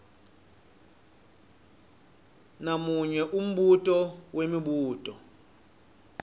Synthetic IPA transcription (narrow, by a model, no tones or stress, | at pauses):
namuɲɛʔum̩ɓutʼɔwemiɓuːtʼɔ